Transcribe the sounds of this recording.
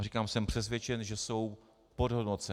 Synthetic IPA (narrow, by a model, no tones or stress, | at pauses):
rikaːmsɛmpr̥ɛs̬vʲjɛt͡ʃɛnʒɛso̞w | podɦodnot͡sɛ